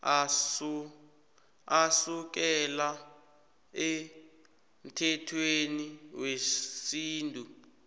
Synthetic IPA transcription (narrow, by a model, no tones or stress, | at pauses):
as | asuk̬ɛla | e | m̩tʰɛtʰweniwesiːntʼu